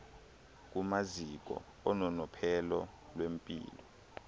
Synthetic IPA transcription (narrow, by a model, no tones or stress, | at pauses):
k̬umazik̬ɔ̰ | ɔnɔnɔpʰɛlɔlwempʼḭːlɔ